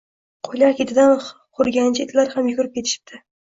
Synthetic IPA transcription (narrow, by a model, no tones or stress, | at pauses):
qʰojlakʲʰe̞t̪ʰɪd̪an | qʰʊɾɡʲanɪnt͡ʃʰɪɪt̪ʰlaɾhamjʊɡʲʊɾɪp̚kʲet̪ʰɪʃɪ̥p̚t̪ʰɪ